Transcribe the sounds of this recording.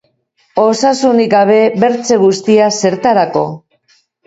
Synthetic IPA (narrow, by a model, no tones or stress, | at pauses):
o̞sasunikaβ̞e̞βe̞ɾt͡se̞ɣ̞ust̪iase̞ɾt̪aɾako̞̰